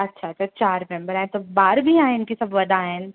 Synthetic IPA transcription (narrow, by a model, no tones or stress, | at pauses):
ɐtːʃʰaɐtːʃʰat͡ʃaːɾmɛ̃mbəɾaɛ̃t̪obaːɾbʱiãːẽɪnkisɐbʋɐd̪ʱaːɛ̃